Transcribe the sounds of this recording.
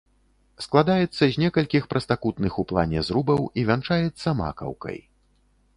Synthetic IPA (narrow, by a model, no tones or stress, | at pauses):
sklˠad̪ajɛt̪sːɐzʲnʲɛkɐlʲkʲixpɾɐst̪akut̪nɨxuplˠa̰nʲɛzɾubɐwivʲant͡ʂajɛt̪sːɐma̰kɐ̰wkɐ̰j